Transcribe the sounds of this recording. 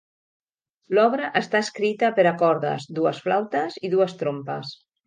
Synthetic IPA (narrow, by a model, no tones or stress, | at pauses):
lɔβ̞ɾəʔəst̪aəskɾit̪əpəɾakɔɾðə̰zd̪uəsflawt̪əziðuəst̪ɾompə̰s